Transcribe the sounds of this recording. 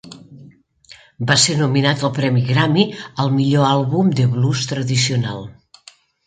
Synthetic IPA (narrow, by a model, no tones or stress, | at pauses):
basenuminat̪əlˠpɾɛmiɣɾamiəlˠmiʎoalˠβumd̪əβlust̪ɾəðisiunalˠ